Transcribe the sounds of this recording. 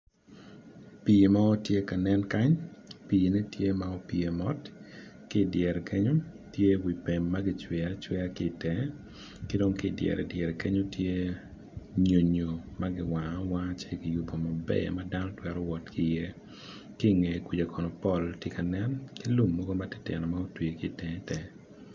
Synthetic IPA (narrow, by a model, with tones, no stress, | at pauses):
pi˨ma˦ɔ˦tje˦ka˨nɛ˦nka˦ɲpiː˨ne˦tje˦ma˨ɔ˦pi˨e˨mɔ˦tkɪ˦˨djɛ˨ɾkʰe˦ɲo˦ | tje˦wi˨pe˨mːa˦ɡɪ˨t͡ʃwɛ˨at͡ʃwɛ˦a˦kɪ˦˨tɛ˨ | kɪ˦do˦ŋkɪ˦˨djɛ̰˨ɾʔɛ˨djɛ˨ɾɛ˨ke˦ɲo˦tje˦ | ɲo˨ɲo˨ma˦ɡɪ˨wa˨˦wa˦t͡ʃe˦kɪ˨ju˨po˨ma˨bɛ̰˦˨ma˦da˦nɔ˦twɛ˦ɾɔ˦wɔ˨tkɪ˦je˦ | kɪ˦˨ŋe˨ki˨d͡ʒa˨kʰɔ˨nɔ˨pɔ˦˨ltje˦ka˨nɛ˦nkɪ˦lu˨mːɔ˦ɡo˦ma˦te̥˦tɛ̰˨nɔ˨ma˦o˦twi˨kɪ˦tɛ̃˨˦tɛ˨